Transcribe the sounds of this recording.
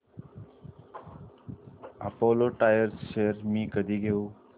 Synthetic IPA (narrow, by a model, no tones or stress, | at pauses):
ə̰poːloːʈaːjəɾsʃeːəɾmĩːkəd̪ʱiːɡʱeũː